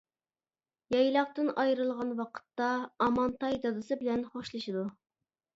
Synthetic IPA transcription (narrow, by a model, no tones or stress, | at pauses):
jɑjlˠɑqt̪ɨnɑjɾɨlˠʁɑnwɑqʰə̥t̪ːɑːmɑnt̪ɑjd̪ɑd̪ɨsɨbɪlɛnχoʃlˠɨʃɨd̪u